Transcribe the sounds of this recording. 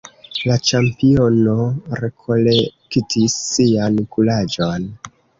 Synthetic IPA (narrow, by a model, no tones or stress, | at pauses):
lat͡ʃampio̞no̞ɾe̞kʰo̞lektʰisːiankulad͡ʒo̞n